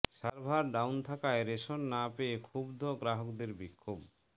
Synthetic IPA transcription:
ʃaɾbʱaɾɖawnt̪ʰakaeɾeʃonːapeekʰubd̪ʱoɡɾaɦokd̪eɾbikʰːob

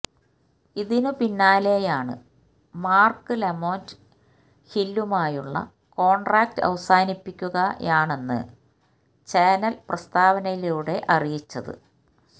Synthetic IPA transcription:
iðinupinːaːle̞ːjaːɳɨ̰ | maːrkɨlemo̞ːnd | hilːumaːjuɭːɐ̰ | ko̞ːɳɖraːk̚tɨɐ̰ʋɐsaːnipːikʲːuɣɐjaːɳe̞nːɨ̰ | t͡ɕeːnɐlprɐst̪aːʋɐnɐjiluːɽe̞ʔɐrijit͡ɕːɐðɨ̰

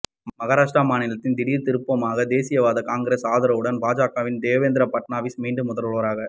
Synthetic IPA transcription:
mɐɣaːɾaːʂʈɾaːmaːnɪlɐt̪ːɪnd̪ɪɽiːɾt̪ɪɾɯpːɐmaːɣɐd̪eːsɪjɐʋaːðɐkaːŋɡɪɾɐsaːðɐɾɐʋɯɽɐnbaːd͡ʒaːkaːʋɪnd̪eːʋeːnd̪ɪɾɐpɐʈnaːʋɪsmiːɳɖɯmːʊðɐɾɯɭoːɾaːɣɐ

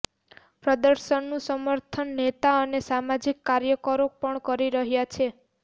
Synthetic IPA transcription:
pɾɔd̪əɾsənːusəməɾt̪ʰənːet̪aənesamad͡ʒikːaɾjəkɔɾok̚pəɳkɔɾiɾəɦjat͡ʃʰe

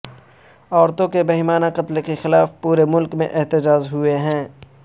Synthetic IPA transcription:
ɔːɾt̪õkebɐɦimaːnaqɐt̪lekexɪlaːfpuːɾemʊlkmḛ̃ʔɪɦt̪ɪd͡ʒaːzɦʊeɦɛ̃ː

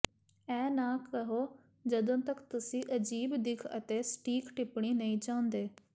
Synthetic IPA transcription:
ɛ̃ːnaːkːəɦoː | d͡ʒəd̪õːt̪əkt̪ʊsĩːʔəd͡ʒiːbd̪ɪkʰə̰t̪eːsʈiːkʈɪpɳ̃iːnəĩːt͡ʃãːnd̪eː

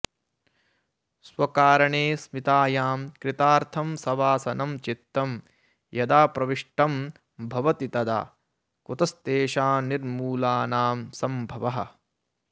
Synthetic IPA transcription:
swɐkaːɾɐɳeːsmit̪aːjaːmkɾit̪aːɾt̪ʰɐmsɐʋaːsɐnɐmt͡ʃit̪ːɐm | jɐd̪aːpɾɐʋiʂʈɐm | bʱɐʋɐt̪it̪ɐd̪a̰ː | kut̪ɐst̪eːʃaːniɾmuːlaːnaːmsɐmbʱɐʋɐɦɐ̰̆

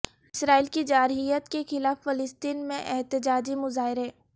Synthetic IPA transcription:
ɪsɾaːiːlkid͡ʒaːɾɦijət̪kexɪlaːfːɐlɪst̪iːnmẽʔɛɦt̪ɪd͡ʒaːd͡ʒimʊzaːɦɪɾɦɛː

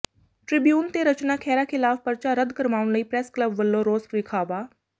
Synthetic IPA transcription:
ʈɾɪbjuːnt̪eːɾət͡ʃnaːkʰɛːɾaːkʰɪlaːfpəɾt͡ʃaːɾəd̪kəɾmaːʊɳləiːpɾɛːskləbʋəlːoːɾoːspɾɪkʰaːbaː

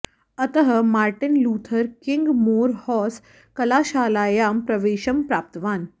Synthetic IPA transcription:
ət̪əɦəmaːɾʈinluːt̪ʰəɾkiŋɡmoːɾhɔs | kəlaːɕaːlaːjaːmpɾɐʋeːɕəmpɾaːp̚t̪əʋaːn

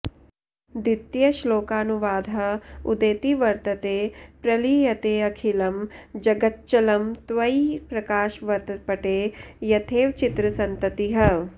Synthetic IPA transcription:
d̪it̪jɐʃloːkaːnuʋaːd̪ʱɐud̪eːt̪iʋɐɾt̪ɐt̪eːpɾɐlijɐt̪eːɐkʰilɐmd͡ʒɐɡɐt̪̚t͡ʃɐlɐmt̪ʋɐipɾɐkaːʃʋɐɾt̪ɐpɐʈeːjɐt̪ʰeːʋt͡ʃit̪ɾɐsɐnt̪ɐt̪iɦɐ

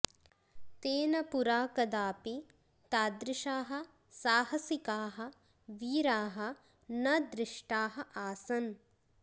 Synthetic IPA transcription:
t̪eːnɐpuɾaːkɐd̪aːpi | t̪aːd̪ɾɪʃaːɦɐ | saːhɐsikaːɦɐ̆ | ʋiːɾaːɦɐ̆ | nɐd̪ɾɪʂʈaːɦɐʔaːsɐn

